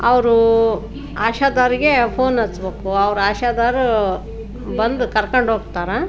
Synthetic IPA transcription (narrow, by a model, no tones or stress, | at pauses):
ɐʋɾu | aːʃaːd̪aːɾiɡe̞pʰoːnɐsbeːkuɐʋɾuaːʃaːd̪aːɾu | bɐnd̪ukɐɾkɐɳɖɦoːɡt̪aːɾe